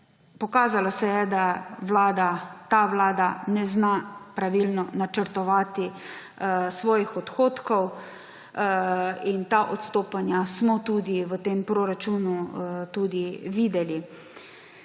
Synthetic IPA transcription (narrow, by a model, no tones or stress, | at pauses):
pɔkaːzalɔsɛjɛd̪aʋlaːd̪at̪aʋlaːd̪anɛznapɾaʋilnɔnat͡ʃəɾt̪ɔʋaːt̪i | sʋɔːjixɔt̪xoːt̪kɔw | int̪aːʔɔt̪st̪oːpanjasmɔt̪uːd̪iʋət̪eːmpɾoːɾat͡ʃuːnut̪uːd̪iʋiːd̪ɛli